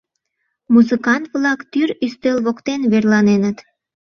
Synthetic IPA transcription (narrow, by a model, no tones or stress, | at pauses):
muzɨkɑnt̪βlɑkt̪yɾyst̪ølβokt̪enβerlɑnenət̪